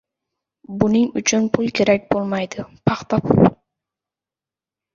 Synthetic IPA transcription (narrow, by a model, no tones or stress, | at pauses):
bʊnɪŋʊt͡ʃʰʊnpʰʊlˠkʲʰeɾæk̚ʲbolˠmɑjd̪ʊpʰɑχt̪ɑpʰʊl